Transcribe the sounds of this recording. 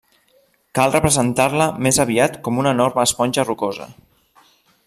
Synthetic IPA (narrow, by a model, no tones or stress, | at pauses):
kalˠrəpɾəzənt̪aɾləmezəβ̞iat̪kɔmunənoɾməːspɔnʲʒərukozə̰